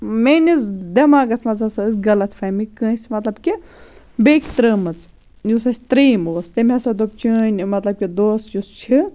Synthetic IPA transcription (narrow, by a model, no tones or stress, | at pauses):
menʲizd̪emaːɡɐt̪ʰmɐzɐsɐɨsʲɡɐlɐt̪ʰfʰɐmikə̃ːsʲmɐt̪lɐbki | beːkʲt̪ɾəmɨt͡s | jusɐsʲt̪ɾiːmoːst̪emʲɦɐsɐd̪op̚t͡ʃɨːnʲmɐt̪lɐb̚kʲid̪oːsjust͡ʃʰi